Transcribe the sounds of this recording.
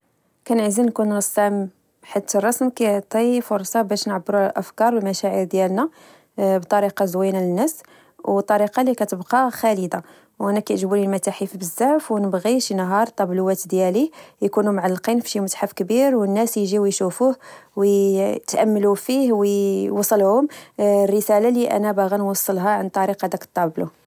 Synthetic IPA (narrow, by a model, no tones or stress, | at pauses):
kænʕzinkunnəsːam | ħat̪ːərˤːɑsmkæjʕt̪ˤifʊɾˤsˤɑbæʃnʕabːɾulʔəfkɑɾˤwlmæʃæʕiɾd̪jælnæ | bt̪ˤɑɾiqɑzwinælənːæs | wt̪ˤːɑɾiqɑlikæt̪əbqɑxæləd̪a | wʔænækæjʒbɾilmæt̪aħifbəzːæʕfwnəbɣiʃinɦɑɾˤt̪ˤːɑbluwæt̪d̪jælijkunumʕalːqinfi̥ʃimʊt̪ħafkbiɾwənːæsjʒiwjʃufuhwjt̪ʔæmːlufihwjwɑsˤːəlhʊmrːəsælaliʔæ̰næbæɣænwɑsˤːəlɦaʕant̪ˤːɑɾiqɑd̪ækt̪ˤːɑblu